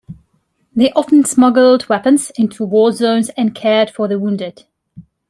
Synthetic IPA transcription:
ðeɪʔɑfə̃n̩smʌɡl̩ˠdwɛpə̃nzɪ̃ntʰuwɔːzõʊ̃nzɨ̃nkʰɛɹd̥fəðəwũndɪd̥

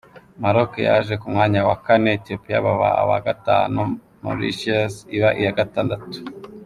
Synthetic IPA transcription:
maɾokḛja̰ʒe̞kumŋaːɲawakane̞ːtiopija̰βaβa̰a̰βa̰ɡata̰ːnu | mo̰ɾḭʃasiβaʔijaɡataːndatu̥

